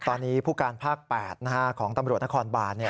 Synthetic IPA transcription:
t̪ɔː˧nːiː˦˥pʰuː˥˩kaː˧npʰaː˥˩k̚pɛː˨˩t̪̚na˦˥kʰa˦˥kʰɔː˩˦ŋt̪a˧mɾu˨˩ət̪na˥kʰɔː˧nbaː˧ni˥˩

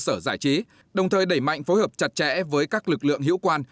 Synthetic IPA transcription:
səː˧˩zaː˧˩jt͡ɕi˨˦ | ɗə˨˩wŋ͡mt̪ʰəː˨˩jɗə˧˩jma̰˧˨jŋ̟fo˨˦jhəː˨˩p̚t͡ɕa˨˩t̚t͡ɕɛ̰˧˥vəː˨˦jkaː˦˥k̚lɨ˨˩k̚lɨ̰˧˨əŋɦḭ˧˥wkwaː˧n

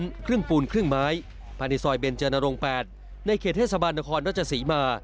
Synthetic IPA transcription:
nkʰɾɯ˥˩ŋpuː˧nkʰɾɯ˥˩ŋmaː˦˥j | pʰaː˧ni˧˩sɔː˧˩jbe˧nt͡ɕɤː˧na˧ɾo˧ŋpɛː˨˩t̪̚ | na˧jkʰeː˨˩t̪ʰːeː˥˩t̪̚sa˧baː˧nːa˦˥kʰɔː˧nɾa˥˩t͡ɕʰa˧siː˩˦maː˧

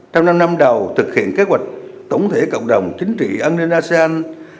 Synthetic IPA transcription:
t͡ɕɔ˧wŋ͡mna˧mna˧mɗə˨˩wt̪ʰɨ˨˩k̚hḭ˧˨ənke˨˦ɦwa˨˩jk̟̚t̪ə˧˩wŋ͡mt̪ʰe˧˩˦kə̰˧˨wŋ͡mɗə˨˩wŋ͡mt͡ɕï˨˦ŋ̟t͡ɕḭ˧˨ʔaː˧nːi˧nʔaː˧se˧aː˧n

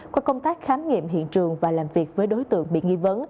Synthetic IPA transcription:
kɔː˨˦kə˧wŋ͡mt̪aː˦˥k̚xaː˨˦mŋḭ˧˨mɦḭ˧˨ənt͡ɕɨ˨˩əŋvaː˨˩laː˨˩mvi˨˩ək̚vəː˨˦jɗo˨˦jt̪ɨ̰˧˨əŋɓḭ˧˨ŋi˧və˨˦n

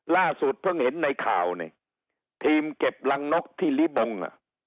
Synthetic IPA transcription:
laː˥˩su˨˩t̪̚pʰɤ˥˩ŋhe˨˩˦nːa˧jkʰaː˨˩wni˨˩ | t̪ʰiː˧mke˨˩p̚la˧ŋno˦˥k̚t̪ʰiː˥˩li˦˥bo˧ŋa̰˨˩ʔ

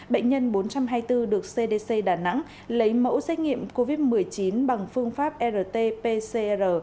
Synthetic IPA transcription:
ɓə̰˧˨ŋ̟ɲə˧nɓo˨˦nt͡ɕa˧mɦaː˧jt̪ɨ˧ɗɨ˨˩ək̚se˧ɗe˧se˧ɗaː˨˩na̰˧˥ŋ | lə˨˦jmə̰˧˥wsɛ˦˥k̟̚ŋḭ˧˨əmko˧vi˦˥t̚mɨ˨˩əjt͡ɕi˨˦nɓa˨˩ŋfɨ˧əŋfaː˦˥p̚ʔɛ˧zəː˨˩t̪e˧pe˧se˧ʔɛ˧əː˨˩

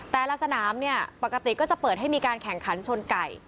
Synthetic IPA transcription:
t̪ɛː˨˩la˧sa˧naː˩˦mni˥˩ɐpa˨˩ka˧t̪i˨˩kɔː˥˩t͡ɕa˨˩pɤː˨˩t̚ɦa˥˩jmiː˧kaː˧nkʰɛ˨˩ŋkʰa˩˦nt͡ɕʰo˧nka˨˩j

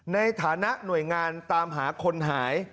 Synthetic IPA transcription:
na˧jt̪ʰaː˩˦na˦˥ʔnu˨˩əjŋaː˧nt̪aː˧mɦaː˩˦kʰo˧nɦaː˩˦j

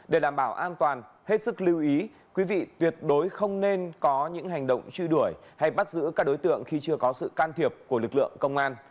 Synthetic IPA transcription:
ɗe˧˩ɗaː˧˩mɓaː˧˩wʔaː˧nt̪waː˨˩n | he˦˥t̚sɨ˦˥k̚li˧wʔi˨˦ | kwi˨˦vḭ˧˨t̪wi˨˩ət̚ɗo˨˦jxə˧wŋ͡mne˧nkɔ˨˦ɲɨ̰˧˥ŋɦa˨˩jŋ̟ɗə̰˧˨wŋ͡mt͡ɕwi˧ɗu˧˩əjha˧jɓa˦˥t̚zɨ̰˧˥kaː˦˥k̚ɗo˨˦jt̪ɨ̰˧˨əŋxi˧t͡ɕɨ˧əkɔ˨˦sɨ̰˧˨kaː˧nt̪ʰi˨˩əp̚ku˧˩əlɨ˨˩k̚lɨ̰˧˨əŋkə˧wŋ͡mʔaː˧n

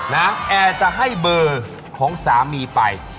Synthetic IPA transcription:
na˦˥ʔɛː˨˩t͡ɕa˨˩ʔɦa˥˩jbɤː˧ | kʰɔː˩˦ŋsaː˩˦miː˧pa˧j

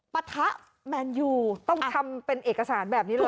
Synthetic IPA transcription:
pa˧t̪ʰa˦˥ʔ | mɛː˧njuː˧˩t̪ɔ˥˩ŋtʰa˧mpe˧nʔeː˨˩k̚a˧saː˩˦nbɛː˨˩p̚niː˦˥lː

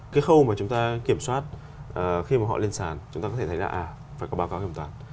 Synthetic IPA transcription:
kaː˨˦jxə˧wmaː˨˩t͡ɕʊ˨˦ŋ͡mt̪aː˧ki˧˩əmswaː˦˥t̚ | ʔəː˨˩xi˧maː˨˩ɦɔ̰˧˨li˧ənsaː˨˩nt͡ɕʊ˨˦ŋ͡mt̪a˧kɔ˦e˧˩t̪ʰjla̰ː˧˩ʔaː˨˩ | faː˧˩jkɔ˨˦ɓaː˨˦kaː˨˦wki˧˩˨t̪waː˨˩n

